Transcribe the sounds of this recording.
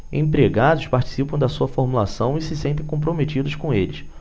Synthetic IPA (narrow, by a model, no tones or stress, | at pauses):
ḛ̃pɾeɡad̪ʊspaɾt͡ʃi̥sipɐ̃w̃d̪ɐsuɐfoɾmulasɐ̃w̃ɪsɪsẽnt̪̬ẽj̃kõp̬ɾomet͡ʃid̪ʊskõelɪs